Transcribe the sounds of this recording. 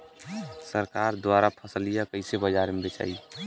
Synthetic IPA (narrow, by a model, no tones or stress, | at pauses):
səɾkaɾd̪waɾapʰəslijakəɪsebəd͡ʒaɾmebet͡ʃa̰ːi